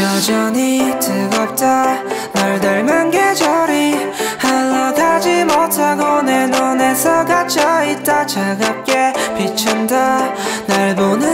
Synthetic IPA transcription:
jʌd͡ʑʌɲitɯɡʌp̚t͈anaɭdaɭmɯnɡed͡ʑʌɾi | halːʌɡad͡ʑimotʰaɡone̞none̞sʰʌɡat͡ɕʰʌit̚t͈at͡ɕaɡap̚k͈e̞pit͡ɕʰʌndanaɭmonɯ

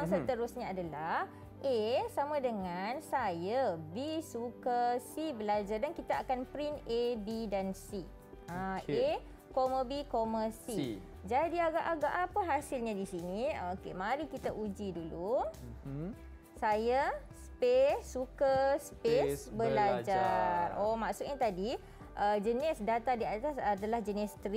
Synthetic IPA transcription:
sət̪əɾʊsɲaadalah | ʔesamãdəŋansajabisukəsibəlad͡ʒardankit̪aakanpɾinebidansi | ãe | koməbikoməsi | d͡ʒadiaɡaʔaɡaʔapaɦasɪlɲadisiniokemaɾikit̪aʔud͡ʒidulu | saja | spesːukəspesbəllad͡ʒaromaʔsʊk̚ɲat̪adi | ʔəd͡ʒənɪsdat̪adiat̪asadalahd͡ʒənɪst̪ɾi

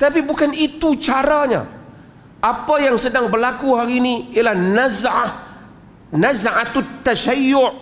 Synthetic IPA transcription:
t̪apibukanit̪ut͡ʃaɾaɲa̰ | ʔapajaŋsədaŋbərlakuhaɾiːniialahnazʕa | nazʕat̪ʊt̪ːaʃajːʊʔ

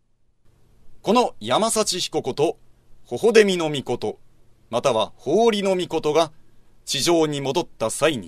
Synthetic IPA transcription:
ko̞no̞jamasat͡ɕiçi̥ko̞ko̞t̪o̞ho̞ɦo̞d̪e̞mʲino̞mʲiko̞t̪o̞ | mat̪aβahoːɾʲino̞mʲiko̞t̪o̞ɡa | t͡ɕiʑo̞ːɲ̟imo̞d̪o̞t̪ːasaiɲ̟ḭ

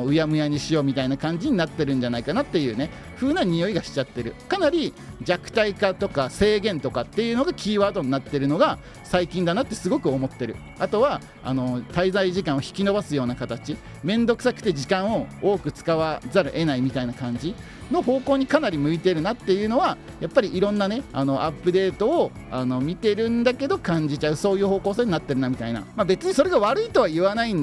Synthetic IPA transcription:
ɯ̟jamɯ̟jaɲ̟iɕijo̞ːmʲit̪ainakãɲ̟d͡ʑiɲ̟inat̪ːe̞ɾɯ̟̃ɲ̟d͡ʑanaikanat̪ːe̞jɯ̟ːne̞ | ɸɯ̟ːnaɲ̟ijo̞iɡaɕi̥t͡ɕat̪ːe̞ɾɯ̟kanaɾʲi | d͡ʑakɯ̟̥t̪aikat̪o̞kase̞ːɡẽ̞nt̪o̞kat̪ːe̞jɯno̞ɡakʲiːβaːd̪o̞ɲ̟inat̪ːe̞ɾɯ̟no̞ɡa | saikʲĩnd̪anat̪ːe̞sɨɡo̞kɯ̟o̞mo̞t̪ːe̞ɾɯ̟̰ | at̪o̞βa | a̰no̞t̪aizaiʑikãɰ̃oçi̥kʲino̞basɨjo̞ːnakat̪at͡ɕi | mẽ̞nd̪o̞kɯ̟sakɯ̟̥t̪e̞ʑikãɰ̃o̞oːkɯ̟t͡sɨ̥kaβazaɾaʔe̞naimʲit̪ainakãɲ̟d͡ʑi | no̞ho̞ːko̞ːɲ̟ikanaɾʲimɯ̟it̪e̞ɾɯ̟nat̪ːe̞jɯ̟ːno̞βa | japːaɾʲiʔiɾõ̞nːane̞ano̞ʔapːɯ̟d̪e̞ːt̪o̞ː | ano̞mʲit̪e̞ɾɯ̟̃nd̪ake̞d̪o̞kãɲ̟d͡ʑit͡ɕaɯ̟so̞ːjɯ̟ːho̞ːko̞ːse̞ːɲ̟inat̪ːe̞ɾɯ̟namʲit̪aina̰mabe̞t͡sɨɲ̟iso̞ɾe̞ɡaβaɾɯ̟it̪o̞β̞aiβanaĩn

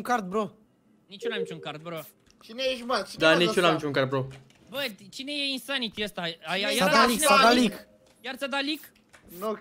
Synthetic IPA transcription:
ŋkaɾt̪̚bɾo | nit͡ʃunamit͡ʃʲuŋkaɾt̪̚bɾo | t͡ʃinejeʒumat͡ʃid̪anit͡ʃunamit͡ʃũŋkaɾt̪̚bɾo | bət͡ʃinejeĩnst̪anit̪iəst̪aajajaaɾaliealik | jaɾt͡sad̪alik | no

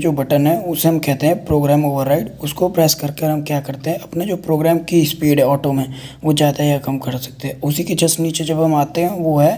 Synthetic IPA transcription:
d͡ʒoːbɐʈənɦɛʊseɦɐ̃mkɛɦt̪eɦɛ̃pɾoːɡɾɛːmoːʋəɾːaːɪʈʊskopɾɛːskɐɾkeɾɦɐmkjaːkɐɾt̪eɦɛ̃ʔɐpnad͡ʒoːpɾoːɡɾɛːmkispiːɖɦɛɔːʈomẽ | ʋod͡ʒjaːd̪ajakɐmkɐɾsɐ̥k̚t̪eɦɛ̃ʊsiked͡ʒɐsniːt͡ʃed͡ʒɐbɦɐmaːt̪eɦɛ̃ʋoɦɛː

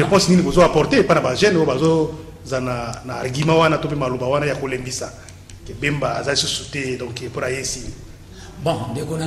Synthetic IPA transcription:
ʁepɔ̃sninibozoapɔʁteepanabaʒɛnojobazo | zananaɡimawanatop̬emalobawanajakolembisa | kebembaa̰zalisusutɛdɔ̃ŋkeponajesi | bɔ̃ndekon

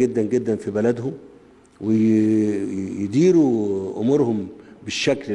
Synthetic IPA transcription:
ɡɪd̪ːænɡɪd̪ːænfibalad̪hʊm | wɪ | jd̪iːɾuʔʊ̰muːɾhʊmbɪʃːækl

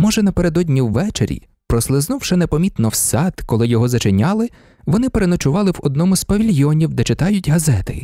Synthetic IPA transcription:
mɔʒɛnɐpe̞ɾed̪ɔdʲnʲiwʋɛt͡ʃeɾʲḭ | pɾɔslˠɪznuwʃɛnepɔmʲit̪nɔwsɑt̪kɔlˠɪjɔɦɔzɐt͡ʃɪnʲɑlˠɪ | ʋɔnɪpeɾenɔt͡ʃʊʋɑlˠɪwɔd̪nɔmʊzpɐʋʲilʲjɔnʲiwd̪ɛt͡ʃɪt̪ɑjʊtʲɦɐzɛt̪ɪ̰

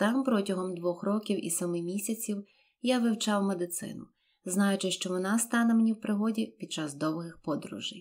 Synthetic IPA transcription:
t̪ɑmpɾɔtʲɐɦɔmd̪ʋɔxɾɔkʲiwḭsɔmɪmʲisʲɐt͡sʲiw | jaʋɪwt͡ʃɑwmed̪ɪt̪sɪ̰nʊ | znɑjʊt͡ʃɪʃt͡ʃɔʋɔnɑst̪ɑnɛmenʲiwpɾɪɦɔdʲipʲid̪̥̚t͡ʃɑzd̪ɔwɦɪxpɔd̪ɾṵʒɪj

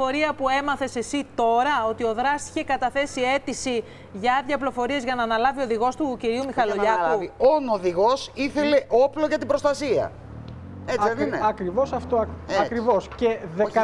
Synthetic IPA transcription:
oɾiɐpue̞mɐθe̞se̞sit̪o̞ɾɐo̞t̪io̞ðɾɐsi̥çe̞kɐt̪ɐθe̞sie̞t̪isi | ʝɐɐðʝɐplo̞fo̞ɾie̞zʝɐnɐːnɐlɐvio̞ðiɣo̞st̪uciɾiumixɐloʎɐluvionoðiɣo̞siθe̞le̞ʔo̞ploʝɐt̪ibɾost̪ɐsiɐ̰ | eeɐkɾivo̞sɐft̪oɐkɾivo̞sce̞ðeɐ

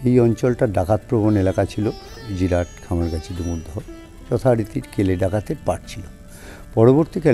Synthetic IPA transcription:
ejɔnt͡ɕɔlʈaɖakat̪̚pɾobonelakat͡ɕʰilo | d͡ʑiɾaʈkʰamaɾkat͡ɕʰid̪umud̪ʱːo | t͡ɕɔt̪ʰaɾit̪iɾkeleɖakat̪eɾpaʈt͡ɕʰilo | pɔɾoboɾt̪ikʰɛ

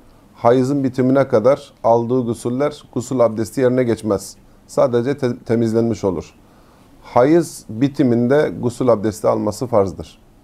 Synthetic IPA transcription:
hajɯzɯnbit̪ʰiminɛkʰad̪aɾalˠd̪ɯːɡusylʲlːʲæɾɡ̥usulʲˠab̚d̪ɛst̪ʲije̞ɾinɛɟɛt͡ʃmɛz̥ | saːd̪ed͡ʒɛt̪ʰe̞mizlʲænmiʃo̞lˠṵɾ̥ | hajɯzbit̪ʰimind̪ɛɡusulʲˠab̚d̪ɛst̪ʲialˠmasɯfaɾzd̪ɯɾ̝̥

